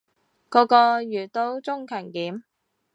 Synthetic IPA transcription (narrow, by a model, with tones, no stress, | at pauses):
kɔː˨˧˥kɔː˧jyː˨˩t̪o˥wt͡sʊ˥ŋkʰœː˨˩nkiː˨˥m